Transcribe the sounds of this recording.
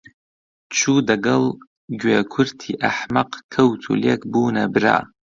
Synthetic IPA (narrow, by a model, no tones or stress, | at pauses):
t͡ʃʰudaɡal | ɡʲakʷʰʊrtʰiʔaħmaqʼkʰɐwtʰṵlekʼbuːnabra̰